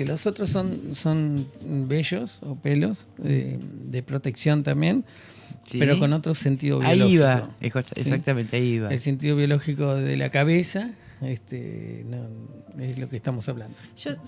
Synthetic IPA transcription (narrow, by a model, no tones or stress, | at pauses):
elosot̪ɾosːo̞nso̞nbeʒosopelo̞sḛd̪epɾot̪e̞ksjo̞nt̪ambje̞n | sieɾo̞ko̞no̞t̪ɾose̞nt̪iðo̰βailoβiaoeot̪ḛssak̚t̪amẽnt̪eaiβaelse̞nt̪̬iðo̞βjo̞loxiko̞ðḛla̰kaβesaest̪ḛnoeslo̞kest̪amo̞saβland̪oʒ̥o